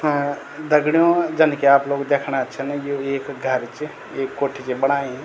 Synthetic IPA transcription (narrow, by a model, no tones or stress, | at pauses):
d̪ɐɡɽijõd͡ʒɐnkeaːploːɡd̪eːkʰɽat͡ʃʰenjoeːkɡʱəɾt͡ʃe | eːkːoːʈʰit͡ʃebɐɽ̃aːẽ